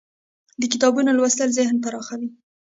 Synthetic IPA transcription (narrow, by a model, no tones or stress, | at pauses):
d̪əkit̪ɑbunolwasləlzɪhnpaɾɑxawi